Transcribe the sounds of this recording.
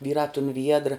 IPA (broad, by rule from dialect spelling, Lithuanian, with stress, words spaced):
ˈʋʲiːrɑː tʊn ʋʲiɛdr